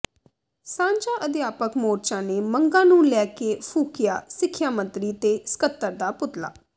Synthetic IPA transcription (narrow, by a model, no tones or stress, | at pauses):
sãːɲd͡ʒaːʔəd̪ɪjaːpəkmoːɾt͡ʃãːneːməŋɡãːnũːlɛːkeːpʰuːkɪja̰ːsɪkʰːjaːmə̃nt̪ɾiːt̪eːsə̥kət̪ːəɾd̪aːpʊt̪la̰ː